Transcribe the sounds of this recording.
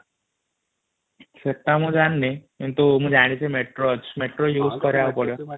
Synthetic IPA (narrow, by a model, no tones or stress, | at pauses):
sʰet̪ːamũd͡ʒanːekint̪umũd͡ʒaɽ̃ĩt͡sʰemeʈɾot͡ʃmeʈɾojuːskʌɾjaupɔɽjo